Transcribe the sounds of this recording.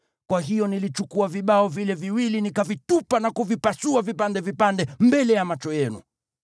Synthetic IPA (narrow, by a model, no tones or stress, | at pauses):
kwaɦijɔnilit͡ʃukuaviɓaɔvilɛviwilinikavitupanakuvipasuavipandɛvipandɛmbɛlɛjamat͡ʃɔjɛnṵ